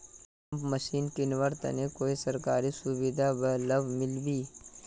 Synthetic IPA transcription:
ɐmpmɐʃiːnkɪnʋəɾt̪ɐ̰nekoːisɐɾkaːɾisubid̪abəlɐbmɪlbiː

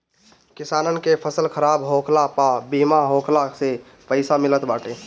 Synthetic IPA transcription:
kisaːnənkepʰəsəlkʰəɾabɦokʰlapabimaɦokʰlase | pəɪsamilət̪baʈe

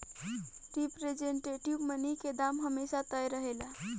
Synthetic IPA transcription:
ɾipɾed͡ʒeɳʈeʈiʋmənəɦked̪amɦəmesat̪əjɾəɦela

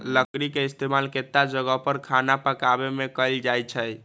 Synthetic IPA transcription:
ləkɾikeist̪emalket̪ːad͡ʒəɡəpəɾkʰanapəkabemekəld͡ʒajt͡ʃʰəj

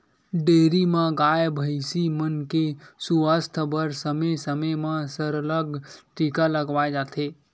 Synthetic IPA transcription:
ɖeːɾimãɡajbʱəɪsimənkesuəst̪ʰbəɾsəmesəməjmãsəɾələɡʈikaləɡʋajd͡ʒat̪ʰe

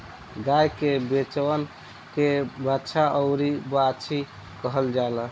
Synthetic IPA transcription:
ɡajkebet͡ʃwən | kebatːʃʰaʔəʊɾibat͡ʃʰi | kəɦəld͡ʒalə

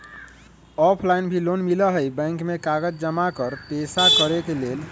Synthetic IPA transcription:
ɔpʰlainbʱilonmiləɦəjbə̃jŋkmekaɡəd͡ʒd͡ʒəmakəɾpesakəɾekelel

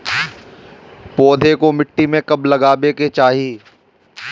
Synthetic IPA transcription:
pɔːd̪ʱekomɪʈːimẽkɐblɐɡaːbeket͡ʃaːɦiː

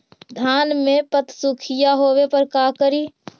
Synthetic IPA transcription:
d̪ʱjaːnmẽpət̪sukʰɪjaɦoːwepəɾkaːkəɾiː

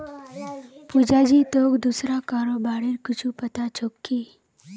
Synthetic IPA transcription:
pud͡ʒad͡ʒit̪oːkd̪usɾakaɾobaːɽiɾkʊt͡ʃʰupət̪at͡ʃʰokːi

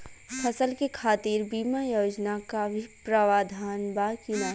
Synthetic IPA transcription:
pʰɐsəlkekʰaːt̪iːɾbiːmajoːd͡ʒnakabʱipɾəʋaːd̪ʱaːnbakina

